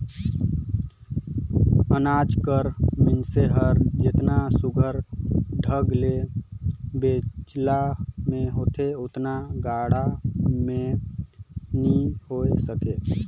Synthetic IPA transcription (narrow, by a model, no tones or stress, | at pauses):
ənad͡ʒkəɾmɪnseɦəɾd͡ʒɪt̪nasuɡʱəɾɖʱəɡle | bet͡ʃlamẽɦot̪ʰeot̪naɡaɽamẽ | nihoesəke